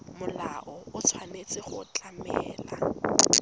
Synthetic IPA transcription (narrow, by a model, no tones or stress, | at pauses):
mʊlaʔɔʊt͡sʰwanet͡sɪχʊt͡ɬʼamɛ̰ːla